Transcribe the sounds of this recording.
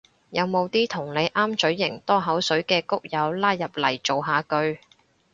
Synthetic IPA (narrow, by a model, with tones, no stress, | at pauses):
jɐ˨˧wmo˨˧wt̪iː˥t̪ʰʊ˨˩ŋle˨˧jʔaː˥mt͡ʃɵ˨˥ɥːɪ˨˩ŋt̪ɔː˥ɦɐ˨˥wsɵ˨˥ɥkɛː˧kʊ˥k̚jɐ˨˧wlaː˥jjɐ˨p̚lɐ˨˩jt͡ʃo˨wɦaː˨˧kɵ˧ɥ